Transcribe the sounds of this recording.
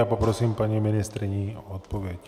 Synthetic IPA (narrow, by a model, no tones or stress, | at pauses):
apopɾɔsimpaɲimɪnɪst̪ɾɪɲiɔt̪poʋjɛc